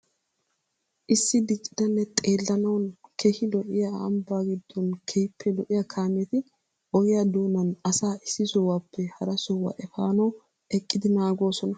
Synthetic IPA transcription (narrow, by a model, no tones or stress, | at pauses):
ʔɪsːɪd̪ɪkʼːɪd̪ɐnːɛt̪ʼeːlːɐnɐwnkʰɛhɪlɔʔɪja̰ːmbaːɡɪd̪ːɔnkʰɛjpʰːɛlɔʔɪjɐkʰaːmɛt̪ɪ | ɔjɪjɐd̪o̞ːnɐnɐsaːʔɪsːɪsɔwaːpʰːɛhɐɾɐsɔwɐ̰ʔɛfaːnɐw | ɛkʼːɪd̪ɪnaːɡo̞ːsɔnɐ